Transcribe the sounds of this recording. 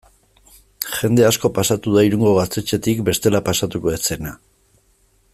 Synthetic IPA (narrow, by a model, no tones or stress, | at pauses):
xe̞nd̪e̞asko̞pasat̪uðaiɾuŋɡo̞ɣ̞ast̪e̞t͡ʃe̞t̪ikbe̞st̪e̞lapasat̪uko̞et͡se̞na